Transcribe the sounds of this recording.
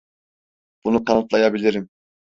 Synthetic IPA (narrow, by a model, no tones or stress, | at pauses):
b̥unut̪ʰɑnɯt̪lˠɑjɑbilʲiɾim